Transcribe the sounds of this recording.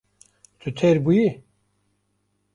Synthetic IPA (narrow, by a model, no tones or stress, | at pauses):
t̪ʰɨt̪ʰeɾbuji